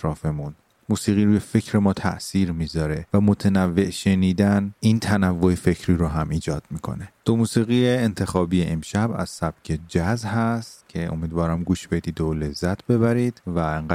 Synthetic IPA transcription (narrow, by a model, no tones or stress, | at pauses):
ɾɒːfemun | muːsiːɣiːɾubefe̞cʰɾe̞mɒːt̪ʰæ̰ʔsiːɾmiːzɒːɾe̞væmot̪ʰenævːe̞ʔʃe̞niːd̪ænint̪ʰænævːoefe̞cʰɾiːɾoɦæmiːd͡ʒɒːd̪̥̚miːkʰo̞̰ne̞d̪̥omuːsiːɣijeːnt̪ʰe̞xɒːbiːjeʔemʃæbæ̰z̥sæb̥cʰed͡ʒæzɦæst̪cʰe̞ʔo̞̰miːd̪vɒːɾæmɡuːʃb̥e̞d̪iːd̪ole̞zːæt̪ʰbe̞βæɾid̪̥væeŋɢæ